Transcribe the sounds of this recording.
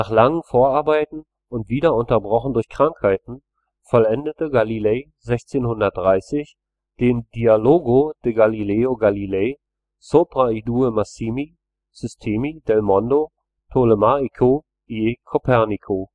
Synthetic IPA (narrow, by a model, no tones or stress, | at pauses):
naːχlaŋənfoːɐaɐbaɪtn̩ | ʊntv̥iːdɐʊntɐbʁɔχn̩dʊɐçkʁ̥aŋkhaɪtn̩ | fɔlɛndətəɡalileː | zɛçt͡seːnhʊndɐt̚d̥ʁaɪsɪç | d̥eːndialoːɡod̥eɡalileːoɡalileː | sopʁaiduəmasiːmi | z̥ʏstʰeːmid̥ɛlmɔndo | tʰoləmaikʰo | ʔikʰopʰɛɐnikʰo